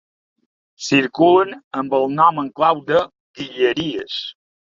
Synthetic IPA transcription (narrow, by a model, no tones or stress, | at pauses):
siɾkulənəmbəlˠnɔməŋklawd̪ə | ɣiʎəɾiəs